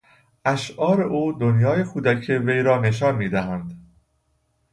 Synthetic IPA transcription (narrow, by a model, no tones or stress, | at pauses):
ʔæʃʔɒːɾeʔuːd̪onjɒːje̞kʰuːd̪æcʰeve̞jɾɒːne̞ʃ̬ɒːnmiːd̪æɦænd̪